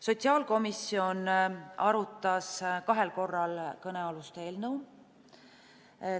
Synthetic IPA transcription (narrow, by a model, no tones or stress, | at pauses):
so̞t̪ʲsiɑːlko̞misio̞nɑɾut̪ːˑɑskɑɦe̞lko̞rːɑlkɤne̞ɑlust̪eːlnəw